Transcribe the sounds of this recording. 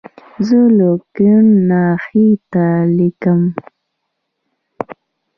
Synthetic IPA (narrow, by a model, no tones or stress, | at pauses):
zəlokiunːɑxit̪alikəm